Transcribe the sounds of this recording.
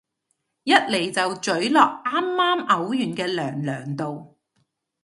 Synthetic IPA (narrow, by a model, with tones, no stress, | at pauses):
jɐ˥t̚le˨˩jt͡sɐ˨wt͡ʃɵ˨˥ɥlɔː˨k̚ʔaː˥mːaː˥mʔɐ˨˥wjyː˨˩nkɛː˧lœː˨˩ŋlœː˨˩ŋt̪o˨w